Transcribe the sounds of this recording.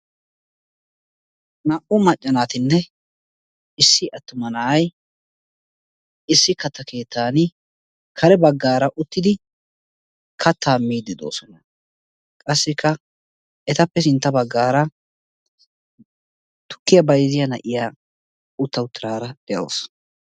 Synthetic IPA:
nɐʔʊmɐt͡ʃʼːɐnaːt̪ɪnːɛ | ɪsːɪʔɐt̪ːʊmɐnaj | ɪsːɪkɐt̪ːɐke̞ːt̪ʰːaːn | kʰɐɾɛbɐɡːaːɾɐʔʊt̪ːɪd̪ɪ | kʰɐt̪ːaːmːiːd̪ɪd̪o̞̰ːsɔnɐ | kʼɐsːɪkʰːɐ | ɛt̪ɐpːɛs̬ɪnt̪ːɐbɐɡːaːɾɐ | t̪ʊ̥kːɪjɐbɐjzɪjɐnɐ̰ʔɪjaː | ʊt̪ːɐʊt̪ːɪɾaːɾɐd̪̥ɛʔo̰ːs

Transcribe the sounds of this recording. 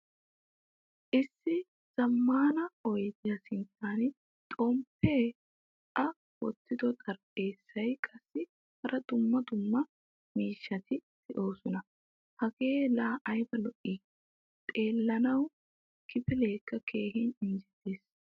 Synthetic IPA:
ʔɪsːɪ | z̥ɐmːaːnɐɔjd͡ʒɐsɪnt̪ːaːn | t̪ʼɔmpʰːeː | ɐ | wɔt̪ːɪd̪ɔt̪ʼɐɾʔe̞ːsːɐjkʼɐsːɪ | hɐɾʔɐd̪ʊmːɐd̪ʊmːɐ | miːʃːɐt̪ʰɪdɛʔo̞ːsɔnɐ | hɐɡe̞ːlaːʔɐjbɐlɔʔi | t̪ʼe̞ːlːɐnɐw | kʰɪpɪle̞ːkːɐkʰe̞ːhɪnɪnd͡ʒɛt̪ːeːs

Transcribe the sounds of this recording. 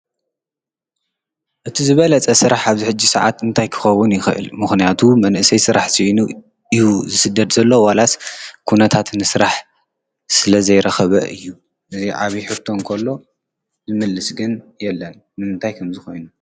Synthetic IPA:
ʔɨt̪ʰizɨβɐlɐt͡sʼɐsɨɾaħaβziħɨd͡ʒːisɐʕa̰t̪ɨnt̪ʰajkʰɨ̥xɐwːʊnjɪxɨʔɨ̰lmɨxnijat̪ʰumɐnʔɨsɐjsɨɾaħsijnu | ijuzɨsɨd̪ɐd̪zɐlːo̞walaskʰunɐt̪ʰat̪nɨsɨɾaħ | sɨlɐzɐjɾɐxɐβɐ̰ʔɨ̰jːu | ʔɨziʕa̰βiħɨt̪ʰo̞ŋkʰɐlːo̞ | zɨmɨlːɨsɡɨnjɛlːɐn | mɨmɨnt̪ʰajkʰɐmzɨxo̞jnu

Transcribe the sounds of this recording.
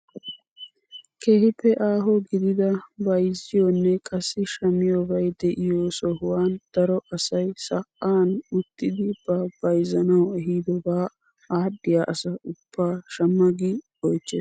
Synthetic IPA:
kʰeːhɪpːɛʔaːɦɔɡɪd̪ɪd̪ɐbɐjzɪjonːɛkʼɐsːɪʃɐmɪjobɐjd̪ɛʔɪjoːsɔhʊwaːnd̪̥ɐɾɔʔɐsɐjsɐkʼːaːnʊt̪ːɪd̪ɪb̥ɐb̥ɐjzɐnɐwɛɦiːd̪ɔbaː | aːdːɪjaːʔɐsɐʊb̥ːaːʃɐmːɐɡɪ | ɔjt͡ʃːeːs

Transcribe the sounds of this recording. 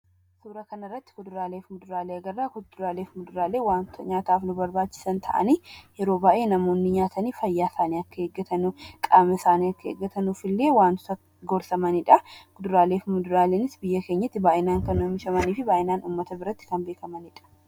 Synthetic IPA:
suːɾɐkɐnɐrːɐt̪ːɪ̥kʊd̪ʊɾaːleːfmʊd̪ʊɾaːleːɐɡɐrːaːkʊd̪ʊɾaːleːfmʊd̪ʊɾaːleːwaːnt̪ʰɐɲaːt̪aːfnʊbɐɾbaːt͡ʃːɪ̥sɐnt̪ʰɐ̰ʔɐ̰niːjɛɾo̞ːbaːʔe̞ːnɐmo̞ːnːɪɲaːt̪ʰɐniːfɐjːaːɪsaːniɐkːɐheːɡːɐt̪ɐnukʼaːmɐsaːniɐkːɐḛɡːɐt̪ɐnufɪlːeːwaːnt̪ʊ̥t̪ɐ | ɡɔɾsɐmɐnɪᶑɐkʊd̪ʊɾaːle̞ːfmʊd̪ʊɾaːleːnɪsbɪjːɐkeːɲːɐt̪ːɪbaːʔɪnaːŋkɐnːʊmɪʃɐmɐniːfɪbaːʔɪnaːnuːmːɐt̪ɐbɪɾɐt̪ːɪ̥kɐnbe̞ːkɐmɐnɪᶑɐ̥

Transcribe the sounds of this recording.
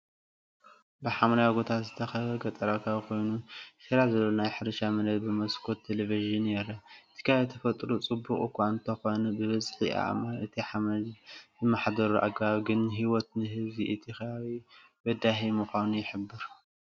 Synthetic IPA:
bɨħamlajaɡo̞t̪ʰazɨt̪ʰɐxɐβɐɡɐt̪ʼɐɾakʰaβkʰo̞jnuʃɨɾazɐlːonajħɨɾɨʃamɐnɐd̪̚bɨmɐskʰot̪ʰːeleviʒɨnjɛɾɐɨt̪ʰi̥kʰaβt̪ʰɐfɐt̪ʼɾut͡sʼɨbuχʼukʷʰant̪ʰɐxo̞nɐbɨβɐzħḭʔa̰ʔmaɨt̪ʰiħamɐlzɨmːaħd̪ɐɾuʔa̰ɡbaβɡɨnɦiwɔt̪nɨɦɨziʔɨt̪ʰixaaβi | bɐd̪aɦimɨxʷanujɪħɨbːɨɾ

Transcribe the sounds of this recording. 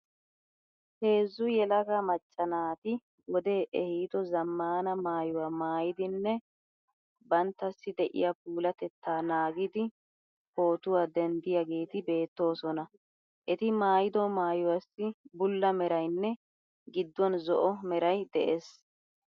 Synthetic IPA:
he̞ːzːʊjɛlɐɡɐmɐt͡ʃʼːɐnaːt̪ɪ | wɔd̪e̞ːʔɛhiːt̪ɔzɐmːaːnɐmaːjʊwaːmaːjɪd̪ɪnːɛ | bɐnt̪ːɐsːɪd̪ɛʔɪ̰jap̚uːlɐt̪ɛt̪ːaːnaːɡɪd̪ɪ | ho̞ːt̪ʊwaːd̪ɛnd̪ɪjaɡe̞ːt̪ɪbe̞ːt̪ːo̞ːsɔnɐ | ʔɛt̪ɪmaːjɪd̪ɔmaːjʊwɐsːɪbʊlːɐmɛɾɐjnːɛ | ɡɪd̪ːɔnzɔʔɔmɛɾɐjd̪ɛʔeːs

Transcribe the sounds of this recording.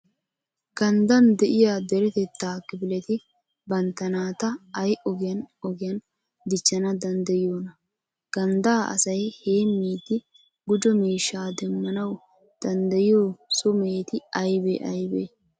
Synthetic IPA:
ɡ̥ɐnd̪ɐnd̪ɛʔɪjad̪ɛɾɛt̪ɛt̪ːaːkːɪbɪlɛt̪ɪ | bɐnt̪ɐnaːt̪ɐːjʔɔɡɪjɐnɔɡɪjɐn | d̪ɪt͡ʃːɐnɐd̪ɐnd̪ɐjɪjoːnɐ | ɡ̥ɐnd̪aːʔɐ̰sɐjheːmːiːd̪ɪ | ɡʊd͡ʒɔmeːʃːaːd̪ɛmːɐnɐw | d̪̥ɐnd̪ɐjɪjoːsʊmeːt̪ɪɐjbḛʔɐjbeː

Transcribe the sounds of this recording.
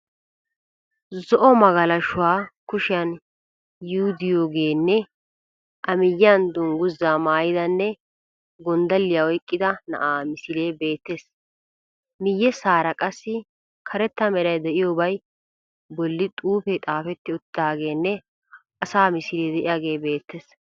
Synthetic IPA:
zɔʔɔmɐɡɐlɐʃʊwaːkʊʃɪjɐn | jʊʊd̪ɪjoːɡeːnːɛ | ʔɐmɪjːand̪ʊŋɡʊzːaːmaːjɪd̪ɐnːɛ | ɡɔnd̪ɐlːɪjawɔjkʼːɪd̪ɐnɐ̰ʔaːmɪsɪɾe̞ːbe̞ːt̪ːe̞ːs | mɪjːɛsaːɾɐkʼɐsːɪ | kʰɐɾɛt̪ːɐmɛɾɐjd̪ɛʔɪjoːbɐj | bɔlːɪt̪ʼuːpɛt̪ʼaːfɛt̪ːɪʊt̪ːaːɡe̞ːnːɛ | ʔɐsaːmɪsɪɾeːd̪ɛʔɪjaːɡe̞ːbe̞ːt̪ːeːs

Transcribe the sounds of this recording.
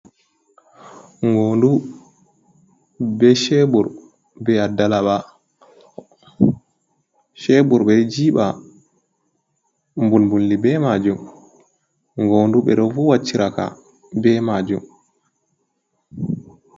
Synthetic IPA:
ŋɡondu | bɛʃɛbuɾ | bɛadːalaɓa | ʃɛbuɾbɛd͡ʒiːɓa | mbulmbulːibɛmad͡ʒum | ŋɡoːnduɓɛ̰ɗɔfuwat͡ʃːiɾaka̰ | bɛmad͡ʒṵm

